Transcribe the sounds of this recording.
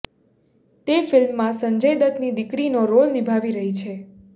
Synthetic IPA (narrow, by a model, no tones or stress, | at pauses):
t̪efɪlmːãsəɲd͡ʒəjd̪ət̪nid̪ɪkɾinoɾolnibʱaʋiɾəɦit͡ʃʰe